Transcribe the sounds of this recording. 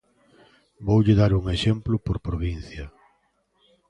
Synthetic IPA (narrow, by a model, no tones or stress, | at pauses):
bowʎɪðaɾuŋeʃemplʊpoɾpɾoβin̟θjɐ